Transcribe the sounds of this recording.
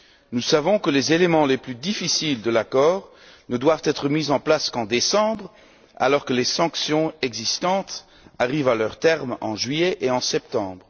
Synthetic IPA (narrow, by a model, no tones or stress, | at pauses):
nusavɔ̃kəlezelemɑ̃leplyd̪ifisild̪əlakɔːʁ | nəd̪wavt̪ɛt̪χəmizɑ̃plaskɑ̃d̪esɑ̃bʁ | a̰lɔʁkəlesɑ̃ksjɔ̃ɛɡzist̪ɑ̃t̪ | aʁivalœʁt̪ɛʁmɑ̰̃ʒɥieʔeɑ̃sɛp̚t̪ɑ̃ːbʁə